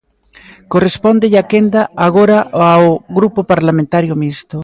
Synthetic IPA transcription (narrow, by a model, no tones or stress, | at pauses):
korespond̪eʎakend̪aaɣ̞oɾaaoɣɾupopaɾlamẽnt̪aɾjomist̪o